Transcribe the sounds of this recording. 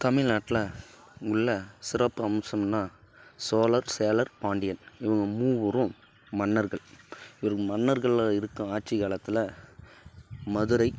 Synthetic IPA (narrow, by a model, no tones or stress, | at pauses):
t̪ɐmɪɻnaːʈːɪlɐŋɡʊɭːɐsɪɾɐpːɯɐmsɐmnːaːsoːlɐɾseːlɐɾpaːɳɖɪjɐnɪʋɐŋɡɐmuːʋɐɾʊ̃ | mɐnːɐɾɣɐɭɪʋɐɾɯkɯmɐnːɐɾɣɐɭaːɪɾɯkːɐ̃aːʈ̚t͡ʃɪkaːlɐt̪ːɪlɐ | mɐðɯɾɐɪ